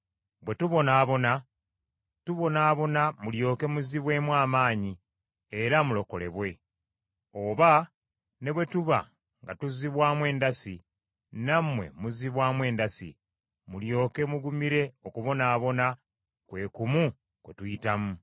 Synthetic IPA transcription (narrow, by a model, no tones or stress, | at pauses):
βwe̞tuβo̞naːβo̞na | tuβo̞naːβo̞namuljo̞ːke̞muziβwe̞mwaːmaːɲi | e̞ɾamulo̞ko̞le̞̰βwe̞ | o̞βa | ne̞βwe̞tuβa̰ | ŋɡatuziβwaːmwe̞ːndasi | namwe̞̰muziβwaːmwe̞ːndasḭ | muljo̞ːke̞muɡumiɾe̞o̞kuβo̞naːβo̞na | kwe̞ːkumu | kwe̞̰tujitamu